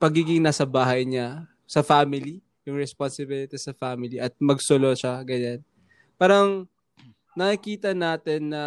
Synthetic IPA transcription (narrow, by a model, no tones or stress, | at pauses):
pɐɡiːɡɪŋnaːsɐbaːɦɐjɲɐ | sɐfaːmɪli | jʊŋɹɛsponsɪbɪlɪt̪ɛsɐfaːmɪliʔɐt̪̚mɐɡsoloʃaɡɐɲan | paːɾɐŋ | nɐkɪkiːt̪ɐnaːt̪ɛnːɐ